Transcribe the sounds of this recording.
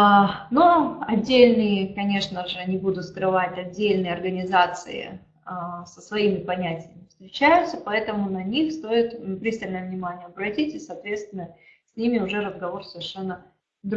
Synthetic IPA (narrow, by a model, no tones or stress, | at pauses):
noɐdʲːelʲnɨjəkɐnʲe̞ʂnəʐɨnʲɪbud̪ʊt̪skɾɨvatʲɐdʲːelʲnɨjəɐrɡənʲɪzat̪sɨ̰ɪ̰ | səsvɐimʲɪpɐnʲætʲɪjəmʲɪfst̪ɾʲɪt͡ɕæjʊt̪səpɐɛt̪əmʊnɐnʲixst̪o̞ɪt̪pɾʲist̪əlʲnəjəvnʲɪmanʲɪjəɐbɾɐtʲitʲɪsɐːt̪vʲe̞t̪st̪vʲɪnːə | sʲnʲimʲɪʊʐɛɾəzɡɐvo̞rsəvʲɪrʂɛnːə | d̪